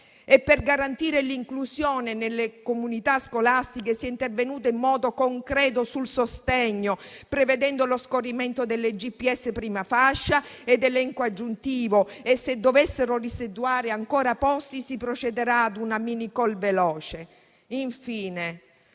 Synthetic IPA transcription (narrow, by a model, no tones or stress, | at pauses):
epːerɡaɾant̪iːɾeliŋkluzjɔːnenelːekomunit̪askolast̪ikesiɛint̪ervenuːt̪̬eimːɔːd̪okoŋkɾɛːt̪̬osulsost̪ɛɲːopɾeved̪ɛnd̪oloskorimɛnt̪od̪elːed͡ʒipːiɛsːepɾiːmafaʃːaed̪ːelːɛŋkoad͡ʒːunt̪iːvoesːed̪ːovesːeɾorised̪uaːɾeaŋkɔːɾapɔstisipɾot͡ʃed̪eɾaːd̪unaminikɔlvelɔːt͡ʃe | iɱfiːne